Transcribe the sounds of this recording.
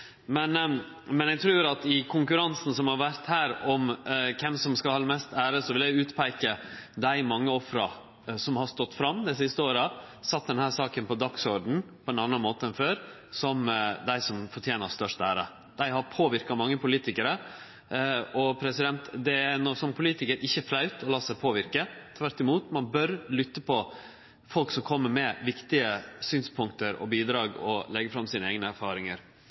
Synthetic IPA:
mɛn | mɛnæɡt̪ʰɾʉːɾɑt̪ɪkʰʊŋkʉɾɑnsn̩sɔmhɑɾʋæɾt̪hæːɾɔmkʰɛmsɔmskɑhɑlmɛst̪æːɾəsɔʋɪlæɪʉːt̪pʰæɪkəd̪æɪmɑŋːəɔfɾɑ̰ | sɔmhɑst̪ɔt̪ːfɾɑmːd̪ɛɪsɪst̪əoːɾə | sɑt̪̚ːd̪ɛnhæːsɑːkənpɔd̪ɑksɔɾɖɳ̩pʰɔɛnɑnɑnmoːt̪əɛnføːɾsɔmd̪æɪsɔmfɔʈʰjeːnəst̪œʂt̪æːɾɑ | d̪̥æɪhɑɾpʰoːʋɪɾkɑmɑŋːəpʊliːt̪ɪkəɾə | ɔpʰɾɛsɪd̪ɛnt̪d̪ɛænɔsɔmpʰʊliːt̪ɪkəɾʔɪçːəflɑʉt̪ɔlɑːsæɪpʰoːʋɪɾkət̪ʰʋæɾʈːɪmuːt̪mɑnbœɾlʏt̪ːəpʰɔ | fɔlksɔmkʰɔmːəɾmɛʋɪkt̪ɪəsyːnspʰʊŋkt̪əɾɔ̰biːd̪ɾɑːɡɔ̰lɛɡəfɾɑmsiːnəeːɡnəæɾfɑːɾɪŋəɾ

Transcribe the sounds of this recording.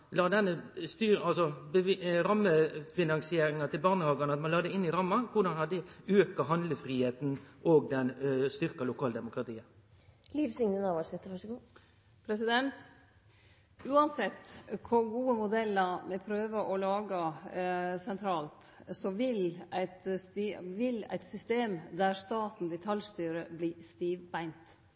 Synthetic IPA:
lɑːd̪ɛnːəst̪yːɾɑlsɔbəɾɑmːəfɪnɑŋsɪeːɾɪŋɑt̪ʰɪlbɑʁnəhɑːɡɑnəɑt̪mɑnlɑːd̪ɛɪnɪɾɑmːɑkʰʊʁd̪ɑnhɑd̪ːəøːkɑɦɑnd̪ləfɾiːheːt̪n̩ʔoːɡ̚d̪ɛnst̪ʏɾkɑlʊkʰɑːld̪ɛmʊkɾʁɑt̪ʰiːə | liːʋsɪŋnənɑʋɑsɪt̪ːʋɑʂɡuː | pʰɾɛsɪd̪ɛnt̪ | ʉːɑnsɛt̪ːkʰʊɾɡuːəmʊd̪ɛlːəɾmɛpʰɾøːʋəʔɔlɑːɡɑ | sɛnt̪ʰɾɑːlt̪sɔʋɪlæɪt̪st̪ːʋɪlæ̰ɪt̪sʏst̪eːmd̪æɾst̪ɑːt̪n̩d̪ɛt̪ʰɑljst̪yːɾəbliːst̪iːʋbæɪnt̪

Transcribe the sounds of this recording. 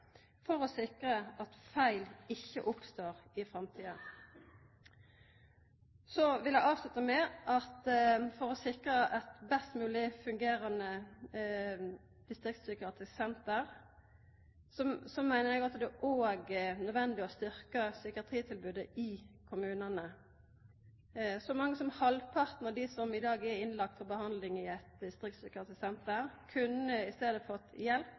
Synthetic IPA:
fɔɾɔsɪkʁəʔɑt̪fæɪlɪçːə̰ʔʊpst̪oːʁɪfʁɑmt̪ʰiːən | sɔʋɪljæɡɑːʋslʉt̪əmɛʔɑt̪fɔʁɔsɪkɾəʔɛt̪bɛst̪mʉːlɪfʉŋɡeːɾənə | d̪̥ɪst̪ʁɪk̚t̪sʏkɑt̪ʰɪsɛnt̪əɾ | sɔmsɔmːæɪnəɾɛɡɑt̪d̪ɛʔoːɡnœd̪ʋɛnd̪ɪɔst̪ʏɾkəsʏkəɑt̪ʰʁiːt̪ʰɪlbʉːd̪əɪkʰʊmʉːnənə | sɔmɑŋːəsɔmhɑlpʰɑʁt̪nəd̪ɪsɔmɪd̪ɑːɡɛɾɪnlɑk̚t̪fɔbəhɑnd̪lɪŋɪɛt̪d̪ɪst̪ɾɪkt̪sʏkɑt̪əsɛnt̪əɾkʰʉnːəɪst̪eːd̪əfɔt̪jɛlp

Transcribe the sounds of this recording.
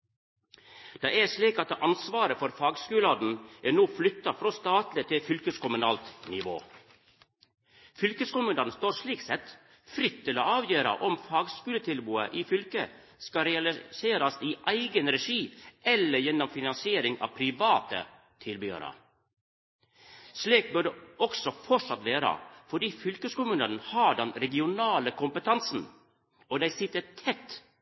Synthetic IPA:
d̪̥ɑːæʂɭiːkɑt̪ʔɑnsʋɑːɾəfɔɾfɑːɡskʉːloːd̪n̩ʔæːnoːflʏt̪ːɑfɾoːst̪ɑːt̪lɪt̪ʰɪfʏlkəskʊmʉnɑːlt̪nɪʋo̰ː | fʏlkəskʊmʉnɑːd̪nst̪oːɾʂɭiːksɛt̪ | fɾʏt̪ʰːɪlo̰ːɑːʋjøːɾɑ̰ʔɔmfɑːɡskʉːlət̪ʰɪlbuːəʔiːfʏlkə | skɑɾɛɑlɪseːɾɑsiʔæɪɡənɾɛʂiːʔɛlːəɾjɛnːɔmfɪnɑnsɪeːɾɪŋɑ̰ːʋpʰɾɪʋɑːt̪ə̰ | t̪ʰɪlbyːə̰ɾə̰ | ʂliːk̚bʉɖɛʔɔksɔfɔʈʂɑt̪ʋeːɾɑ̰fɔɖiːfʏlkəskʊmʉnənnhɑɖɛnɾɛɡɪʊnɑːləkʰʊmpət̪ʰɑnsn̩ | ɔd̪æɪsɪt̪ːət̪ʰɛt̪ː

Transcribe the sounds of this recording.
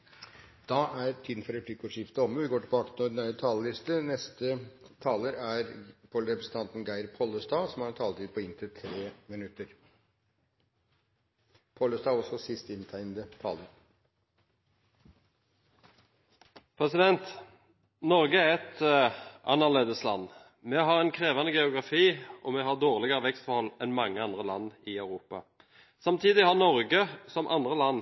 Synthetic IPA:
d̪̥ɑʔæɾt̪ʰiːd̪n̩fɔɾɛpʰlɪkuʂɪft̪əɔmːəʋɪɡoːʈɪbɑːkə̥t̪ʰɪnɔnæət̪ʰɑːləlɪst̪ənɛst̪ət̪ʰɑːləɾæɾpʰɔlɾɛpɾəsən̩t̪ʰɑnt̪n̩ɡæɪɾpʰɔlːəst̪ɑːsɔmhɑɾt̪ʰɑːlət̪ʰiːd̪̚pʰɔɪnt̪ɪt̪ʰɾeːmɪnʉt̪ːəɾ | pʰɔlːəst̪ɑːɔsɔsɪst̪ɪnt̪ʰæɪnd̪ət̪ʰɑ̰ːləɾ | pʰʁɛsɪd̪ɛnt̪ | nɔʁɡəæʁɛt̪ʔɑ̰nːəʁɭeːd̪əslɑ̰nː | mɛɦɑʁɛɪnkʰʁeːʋɑnəɡɛʊɡʁɑfiːʔɔmɛɦɑd̪oːʁlɪɡəʁəʋɛkst̪fɔʁhɔlːɛnmɑŋːəɑnd̪ʁəlɑnːɪœʉʁuːpɑ | sɑmt̪ʰiːd̪ɪhɑʁnɔʁɡəsɔmʔɑ̰nd̪ʁəlɑnː

